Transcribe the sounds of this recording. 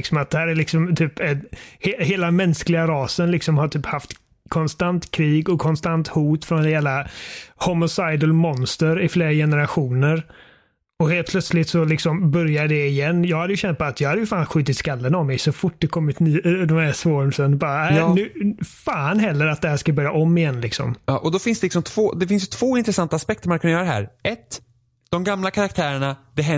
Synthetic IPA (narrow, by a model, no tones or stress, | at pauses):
ɪksɔmat̪̚d̪ɛhæːɾælɪksɔmt̪ʰyːpɛheːheːlamɛnsklɪɡaɾɑːsənlɪksɔmhaʈʰyːphaft̪ | kʰɔnst̪ant̪kʰɾiːɡɔkʰɔnst̪ant̪huːt̪fɾɔnheːlahɔmʊsajd̪əlmɔnst̪əɾɪfleːɾajɛnəɾaɧuːnəɾ | ɔheːl̚pʰlœt̪slɪt̪sɔlɪksɔmbœɾjaɖɛɪjɛnːjɑːɡhad̪ːəjɵɕɛnt̪̚pat̪jɑːɡhad̪ːjʉfaːnɧʉ̟ːt̪ɪt̪skalːənavmɛjsɔfʊʈ̚ːd̪ɛkʰɔmːɪt̪nyːd̪ɔmæʂvoːɾmsənbɑːɾaænʉːfaːnɦɛlːəɾat̪̚d̪ɛhæːʂkabœɾjaʔɔmːɪjɛnːlɪksɔ̰mɑʔɔd̪ɔfɪnsd̪ɛlɪksɔmt̪ʰvoːd̪ɛfɪns̬jɵt̪ʰv̥oːɪnt̪ɾɛsant̪aːspɛkt̪əɾmankʰɵnjœːɾd̪ɛɦæ̰ːɾʔɛt̪ | d̪̥ɔmɡamlakʰaɾak̚t̪ʰæːɾəɳad̪ɛɦɛ